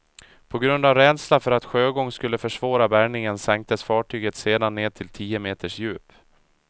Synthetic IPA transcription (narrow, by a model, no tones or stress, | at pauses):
pʰɔɡɾɵnd̪avɾɛːd̪slafœɾat̪ɧøːɡɔŋːskɵlːəfœʂvɑːɾabæɾɳɪŋənsɛŋk̚t̪əsfɑːʈʰyːɡət̪seːd̪anːeːd̪̚t̪ʰɪlt̪ʰiːəmeːt̪ʰəʂjʉ̟ːp